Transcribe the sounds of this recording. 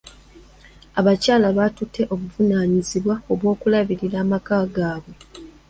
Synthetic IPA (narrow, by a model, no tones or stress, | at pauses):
aβacaːlaβatutʰːe̞ʔo̞βuvunaːɲiziβwao̞βwo̞ːkulaβiɾiɾaːmakaːɡaːβwe̞